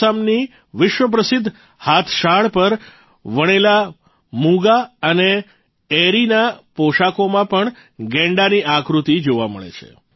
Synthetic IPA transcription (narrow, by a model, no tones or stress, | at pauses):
amni | ʋɪʃʋəp̬ɾəsɪd̪ʱː | hat̪ʰʃaɭpəɾ | ʋəɽ̃ela | muɡaəne | eɾinapoʃakomãpəɳ | ɡɛ̃ɳɖaniʔakɾut̪id͡ʒoʋamə̰ɭḛt͡ʃʰḛ